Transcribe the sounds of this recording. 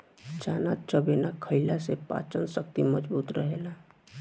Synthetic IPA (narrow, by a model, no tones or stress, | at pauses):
t͡ʃaːnaːt͡ʃəbeːnakʰəɪlasepa̰ːt͡ʃənsək̚t̪iməd͡ʒbuːt̪ɾəɦeːlaː